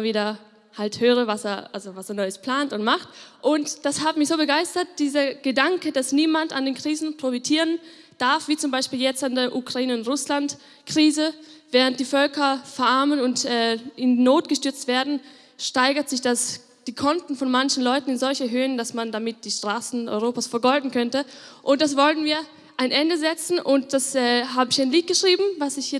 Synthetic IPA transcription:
viːdɐ | halthøːʁəvasḛːɐʔalzovaseːɐnɔʏəspl̥aːntʊntmaχtʔʊntd̥ashaːbəmɪçz̥oːbəɡaɪstɐt̚d̥iːzɐɡ̥ədaŋkəd̥asniːmanta̰ndeːnkʁ̥iːzn̩pʁ̥ofitʰiːʁən | d̥aɐfv̥iːt͡sʊmbaɪʃpiːljɛt͡standeːɐʔukʁ̥aiːnəʊntʁʊslant | kʁ̥iːzəvɛːʁənt̚d̥iːfœlkɐfɛɐʔaɐmənʊntɛːɪndinoːtɡ̥əʃtʏɐt͡stv̥eːɐdn̩ | ʃtaɪɡɐtz̥ɪçd̥as | d̥iːkʰɔntn̩fɔnmançn̩lɔʏtn̩ɪnzɔlçɛɦøːəndasmandamɪt̚d̥iːʃtʁ̥aːsn̩ʔɔ̰ʏʁoːpaːsfɛɐɡɔldn̩kʰœntəʔʊnt̚d̥asv̥ɔltn̩viːɐ | ʔaɪnʔɛndəzɛt͡sn̩ʔʊnt̚d̥asɛːɦaːbəɪçaɪnliːt̚ɡ̥əʃʁ̥iːbm̩vasɪçɛ

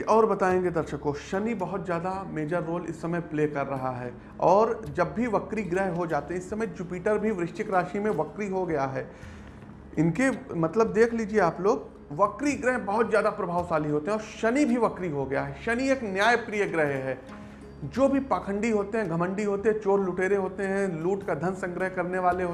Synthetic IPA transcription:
ʔɔːɾbɐt̪aːẽːŋɡed̪ɐɾʃəkoʃɐnibɐɦʊt̪zjaːd̪ameːd͡ʒaɾoːlɪ̰sːɐməjpleːkɐɾːɐɦaɦɛː | ɔːɾd͡ʒɐbːʱiʋɐkɾiɡɾɛɦɦod͡ʒaːt̪eɦɛ̃ɪsːɐmə̃jd͡ʒupiːʈəɾbʱiʋɾɪʃt͡ʃɪkɾaːʃimẽʋɐkɾiɦoɡɐjaɦɛː | ɪnkemɐt̪ləb̚d̪eːkʰliːd͡ʒieaːploːɡ | ʋɐkɾiɡɾɛɦbɐɦʊt̪zjaːd̪apɾɐbʱaːʋsaːliɦoːt̪eɦɛ̃ɔːɾʃɐnibʱiʋɐkɾiɦoɡɐjaɦɛʃɐnieːknjaːjpɾijəɡɾəɦɦɛː | d͡ʒoːbʱipaːkʰə̃ɳɖiɦoːt̪eɦɛ̃ɡʱɐmə̃ɳɖiɦoːt̪eɦɛ̃t͡ʃoːɾlʊʈeːɾeɦoːt̪eɦɛ̃luːʈkad̪ʱɐnsɐ̃ŋɡɾəɦkɐɾneʋaːleɦoː

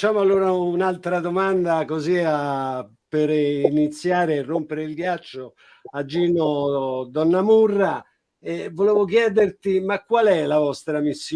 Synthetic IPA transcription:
t͡ʃaːmoalːoːɾaunalt̪ɾad̪omand̪akozia | peɾinit̪sːjaːɾerːompeɾeilɡjat͡ʃːo | ad͡ʒːiːnod̪ɔnːamurːa | ɛvːoleːvok̬jɛːd̪ert̪imakːwalɛlavɔst̪ɾamisː

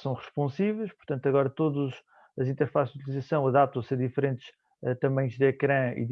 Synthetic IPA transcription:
sɐ̃w̃ʁɨʃpõsivɛjʃpuɾt̪ɐ̃nt̪ɐɣɔɾɐt̪oðuʃ | ɐzĩnt̪ɛɾfasʒut̪lˠizɐsɐ̃w̃ɐðap̚t̪ɐ̃w̃seɾðifɾẽnt̪ʃ | ɛt̪ɐmɐ̃ɲ̃ʒd̪ɛkɾɐ̃ḭð

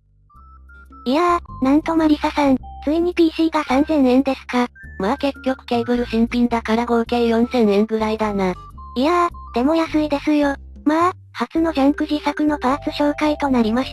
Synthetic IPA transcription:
iaːnãnt̪o̞moɾʲisasãnt͡sɨiɲ̟ipʲiːɕiːɡasãnzẽ̞ɰ̃ẽ̞nd̪e̞sɨ̥kamaːke̞tʲːjokɯ̟̥ke̞ːbɯ̟ɾɯ̟ɕĩmpʲĩnd̪akaɾaɡo̞ɯ̟keɾɯjõ̞ñsẽ̞ɰ̃ẽ̞ŋɡɯ̟ɾaid̪anaiad̪̥e̞mo̞jasɨid̪e̞sɨjo̞ | maː | hat͡sɨno̞ʑãŋkɯ̟ʑisakɯ̟no̞paːt͡sɨɕo̞ːkait̪o̞naɾʲimaɕi̥

